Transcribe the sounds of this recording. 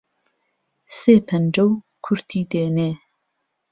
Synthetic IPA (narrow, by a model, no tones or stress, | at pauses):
seːpʰɐnd͡ʒɐw | kʰʊɾt̪ʰiːd̪eːneː